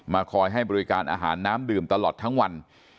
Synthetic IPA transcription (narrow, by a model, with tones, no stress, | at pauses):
maː˧kʰɔː˧jɦa˥˩jbɔː˧ɾi˦kaː˧nʔa̰ː˧ɦa̰ː˩˦nːaː˦˥mdɯː˨˩mt̪a˧lɔː˨˩t̪ʰːa˦˥ŋwa˧n